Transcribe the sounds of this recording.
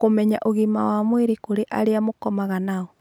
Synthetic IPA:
komɛɲaʔoɣimawamweɾikoɾeʔa̰ɾeamokɔmaɣanaɔ

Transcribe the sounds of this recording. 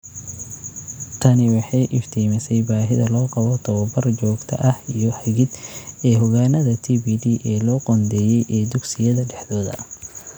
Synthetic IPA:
t̪ʰɐnɪwɑħɑjʔɪft̪ʰɛmɪsɛjbaːɦɪðɐlɔːqɑβɔt̪ʰɐwɐbɐrt͡ʃɔːɡt̪ʰɐ̰ʔɐhijɔhɐɣɪd̪ɛːɦʊɣaːnɐðɐt̪ʰiːbiːd̪iːʔɛːlɔːqɔnd̪ɛːjɛjʔɛːd̪ʊɡsɪjɐðɐɖɛħd̪ɔːðɐ̰

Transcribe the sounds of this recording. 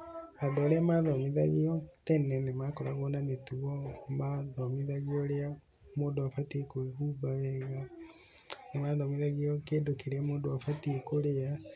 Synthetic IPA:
adɔɾeamaːðɔmiða̰ɣiɔtɛnɛnemakɔɾaɣɔnanetuɔmaðɔmiðaɣiɔɾea | moːdoafatikoubaβɛːɣa | nemaːðɔmiðaɣiɔkedokiɾɛmoːdoafatikoɾea

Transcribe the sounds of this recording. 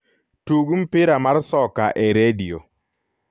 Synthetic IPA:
tuɡum̩pɪɾamaɾsɔkaʔɛɾedio

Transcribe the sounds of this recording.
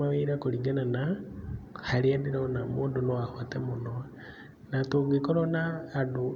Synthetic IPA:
aβiɾakuliɡanana | haɾiendiɾaonamuːndunoahwatemuno | natoŋɡikoɾonaːdu

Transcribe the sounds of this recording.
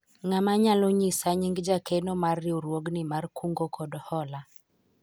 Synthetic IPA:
ŋamaɲaloɲisaɲiŋɡd͡ʒakenomarːɪoɾwoɡnɪmarkʰuŋɡokɔdɔhɔla

